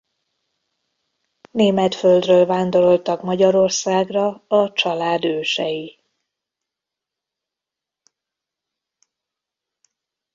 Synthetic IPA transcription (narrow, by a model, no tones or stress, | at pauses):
neːmɛt̪føld̪røːlvaːnd̪o̞ɾo̞lt̪ɒkmɒɟɒɾo̞rsaːɡrɒɒt͡ʃɒlaːd̪øːʃɛji